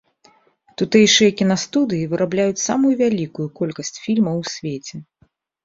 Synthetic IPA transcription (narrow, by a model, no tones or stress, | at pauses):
t̪ut̪ɛjʂɨjɐkʲinɐst̪ud̪ɨjivɨɾʔablʲajut͡sʲsamujuvʲalʲikujukɔlʲkɐsʲt͡sʲfʲilʲmɐwsʲvʲet͡sʲɛ